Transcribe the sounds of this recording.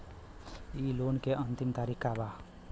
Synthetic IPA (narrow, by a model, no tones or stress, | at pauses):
ilonkeʔʌnt̪imt̪aɾikːaba